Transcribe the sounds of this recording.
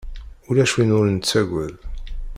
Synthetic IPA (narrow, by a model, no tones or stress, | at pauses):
ʊlæʃwinʊɾənt͡sːæʝʷæl